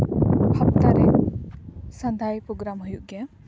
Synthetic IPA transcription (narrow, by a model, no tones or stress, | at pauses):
hɐp̚t̪aɾɛ | sɐ̃nd̪ʱajpɾoɡɾamɦujuʔɡɛjã